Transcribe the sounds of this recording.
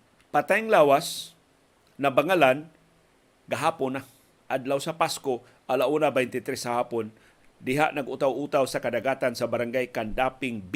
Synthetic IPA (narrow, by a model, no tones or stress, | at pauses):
pat̪ajŋlaːwas | nabaŋalan | ɡaɦaːpʊna | ʔad̪lawsapasko | ʔalaʔuːnabajnt̪ɪt̪ɾɛsahaːpon | d̪ɪɦa̰ʔnaɡut̪awʔut̪awsakad̪aɡaːt̪ansabaɾaŋɡajkand̪apɪŋb